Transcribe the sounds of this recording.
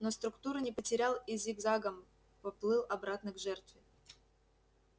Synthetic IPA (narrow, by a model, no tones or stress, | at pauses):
nost̪ɾʊkt̪uɾɨnʲɪpətʲɪɾʲalˠɪzʲiɡzaɡəm | pɐplˠɨlˠɐbɾat̪nɨɡʐɛrt̪vʲɪ